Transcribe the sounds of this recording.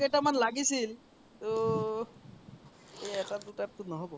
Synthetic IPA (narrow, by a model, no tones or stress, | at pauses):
eʈamanlaɡisil | t̪o | eeʈad̪uʈap̚t̪unɔɦobɔ